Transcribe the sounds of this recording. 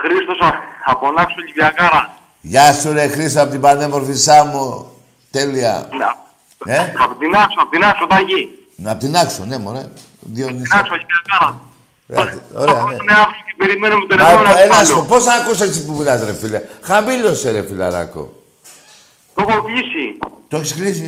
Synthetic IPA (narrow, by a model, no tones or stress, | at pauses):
xɾist̪osɐɐponɐksoʎiviakɐɾɐ | ʝɐsuɾexɾist̪oapot̪ibanemoɾfisɐmu | t̪eliɐ̰ | neɐpot̪inɐksoɐpot̪inɐksot̪ɐɲʝi | ɐpot̪inɐksonemoɾe | ðjoninɐksoʎivakɐɾɐ̰ | oɾeɐneneafsocepeɾimenomet̪oɾenasoposɐakusesipumilɐzɾefilexambiloseɾefilɐ̰ɾɐ̰ko̰ | t̪oxoklisit̪oeçisxlisi